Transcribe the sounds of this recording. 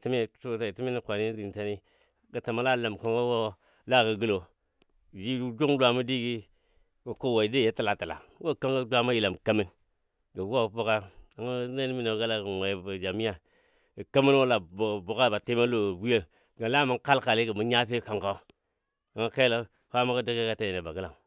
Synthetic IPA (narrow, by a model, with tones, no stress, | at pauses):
ti˦mi˦˨tu˦ta˨ti˦mi˦ni˦kʷa˨ni˦di˨n˨ta˦ni˦ | ɡə˨ta˨ma˦la˦˨la˨m˨ka˦ŋko˦wo˦˨ | la˦˨ɡa˨ɡi˦lo˨ | d͡ʒi˦d͡ʒu˦ŋdʷa˨ma˦di˦ɡi˦ | ɡa˨ko˦˨wa˨i˨de˦˨je˦ti˨la˨ti˨la̰˨wo˦˨ka˦ŋɡa˦dʷa˦ma˦ji˨la˨mka˦mi˦n | ɡa˨˦wo˦bo˦ka˦a˨ŋa˦ne˦n˦mi˦no˨˦ɡa˦la˦ɡŋʷa˨a˨d͡ʒa˨mi˦ja˨ | ɡə˨ka˦mi˦nwo˦la˨bo˨ka˦ba˨te˦ma˦lo˨wi˦ja˦˨ | ɡa˨˦la˦˨ma˦ŋ˦ka˦lka˨li˦ɡa˨mu˦ɲa˦fe˦ka˨ŋka˦ | a˨ŋa˦ka˦i˦la˦ | ha˦ma˦ka˦di˦ke˦ka˨ta˦je˨ne˨ba˨ɡə˦la˨m